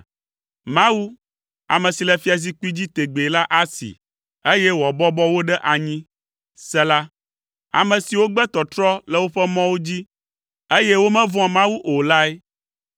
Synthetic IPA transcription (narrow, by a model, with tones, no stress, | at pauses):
mã˦wu˦ | a̰˨mɛ̃˨si˨lɛ˨fi˦a˨zi˦ku˦i˦d͡ʑi˦t̪e˨ɡ͡be˨la˦ʔa˦sḭ˨ | e˦jɛ˦wɔ˨bɔ˦bɔ˦wo˦ɖɛ˦ʔa˨ɲĩ˦ | sɛ˦la˦ | a̰˨mɛ̃˨si˨wo˦ɡ͡bɛ˦t̪ɔ˨t̪ɾɔ˦lɛ˨wo˦ɸɛ˦mɔ̃˦wo˦d͡ʑi˦ | e˦jɛ˦wo˦mɛ̃˦vɔ̃˦ã˨mã˦wu˦ʔo˨la˦ɛ˦